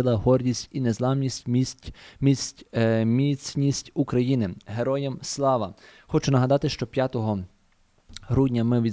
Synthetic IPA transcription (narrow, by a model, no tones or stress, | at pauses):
ɪlˠɐɦɔrdʲisʲtʲinezlˠɑmnʲisʲtʲ | mʲisʲtʲmʲit͡sʲnʲisʲtʲukɾɐjinɪɦe̞ɾɔjɛmslˠɑʋɐxɔt͡ʃʊnɐɦɐd̪ɑt̪ɪʃt͡ʃɔpʲjat̪ɔɦɔ | ɦɾudʲnʲɐmɪʋʲid̪